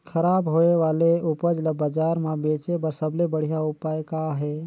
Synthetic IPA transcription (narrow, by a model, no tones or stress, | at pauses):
kʰəɾaːbɦoːeʋaːleʊpəd͡ʒlɐbəd͡ʒaːɾmãbeːt͡ʃebəɾsəblebəɽ̤ijaʊpaːjkaɦɛː